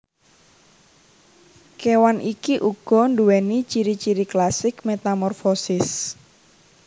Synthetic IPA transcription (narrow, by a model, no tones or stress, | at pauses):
kewanʔikiʔuɡ̥ɔ̤nɖuwɛnit͡ʃiɾit͡ʃiɾiklasɪkmet̪amɔrfosɪs